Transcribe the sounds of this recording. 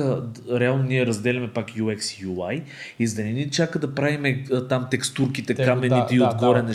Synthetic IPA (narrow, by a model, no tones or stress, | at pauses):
əɾɛalˠnoniɛɾɐzd̪ɛlʲɐmɛpakjuɛksjulˠaj | izd̪ɐninit͡ʃakəd̪ɐpɾavimɛt̪amt̪ɛkst̪uɾkit̪ɛkamɛnit̪ɛiod̪ɡɔɾɛnɐ